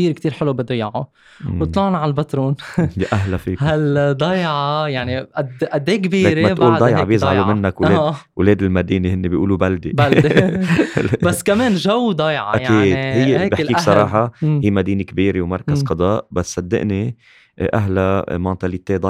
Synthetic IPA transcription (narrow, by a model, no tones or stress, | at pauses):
iːɾkt̪iːɾħɪlubid̪ˤɑjʕo | wt̪ˤlɑʕnʕalbat̪ɾuːnjaʔaɦlafiːkhald̪ˤɑjʕɑjaʕniʔad̪ʔad̪ːeːkbiːɾemaʔuːld̪ˤɑjʕɑbjɪzʕalumɪnːakweːwleːd̪ɪlmad̪iːnehɪnːebiʔṵːlubald̪ebald̪ | basːkameːnʒawd̪ˤɑjʕɑʔajakiʕːdi̥hɪjːebjɪħkːiːksˤɑˤɑːħɑhiːmad̪iːnekbiːɾewmɑɾˤkazqɑd̪ˤɑːʔbasːɑd̪ːɪ̰ʔni | ʔaɦlamɑnt̪alit̪ːeːd̪ɑ